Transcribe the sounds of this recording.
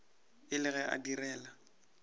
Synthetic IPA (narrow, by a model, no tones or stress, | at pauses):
ɪlɪɣɛʔa̰dirɛːla